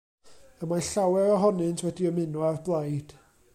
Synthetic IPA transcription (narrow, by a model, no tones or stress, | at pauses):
əmaɬawɛɾɔɦɔnɨntʰwɛdiəmɪnuarblˠajd̥